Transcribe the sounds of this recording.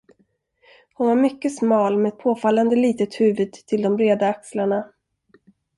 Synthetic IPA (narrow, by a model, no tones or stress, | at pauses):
hʊnvaɾmʏkːəsmɑːlmeɛd̪̚pʰoːfalːand̪əliːt̪ət̪hʉ̟ːvəd̪ʰɪld̪ɔmbɾeːd̪aakslaɳa